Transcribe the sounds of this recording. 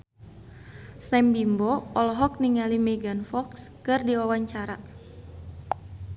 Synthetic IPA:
sɛmbimbɔɔlɔɦɔk̚niŋalimɛɡanfɔkskɨrdiwawaɲt͡ʃaɾa

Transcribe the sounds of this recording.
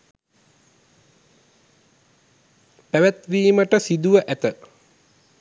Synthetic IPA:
pæʋæt̪ʋiːməʈəsid̪uʋəʔæt̪ə

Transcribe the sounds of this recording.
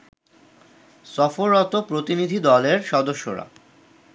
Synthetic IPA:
sɔfoɾːɔt̪opɾot̪inid̪ʱid̪ɔleɾʃɔd̪oʃːoɾa̰

